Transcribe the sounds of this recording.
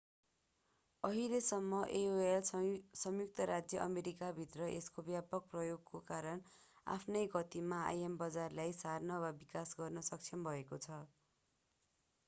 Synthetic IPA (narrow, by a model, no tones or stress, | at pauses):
ʌɦilesʌmːʌʔeoelsʌmjuk̚t̪ʌɾad͡zjʌʔʌmeɾikabʱit̪rʌʔḛskobjapʌk̚prʌjoɡkokaɾʌn | a̰pʰnʌjɡʌt̪imaa̰jembʌd͡zarlajsarnʌwabikasɡʌrnʌsʌk̚t͡sʰʌmbʱʌekot͡sʰʌ